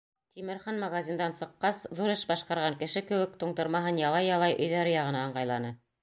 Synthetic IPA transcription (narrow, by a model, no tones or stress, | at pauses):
t̪ʰimɘ̆ɾχɑnmaɣazʲind̪ɑnsɤ̆qːɑsðuɾɤʃbɑʃqɑɾʁɑŋkɘ̆ʃɘkɘ̆wɘk̚t̪uɴt̪ɤ̆ɾmɑɦɤnjɑlˠɑjɑlˠɑjʔɵ̆jðæɾɘ̆jɑʁɤ̆nɑːɴɢɑjlˠɑnɤ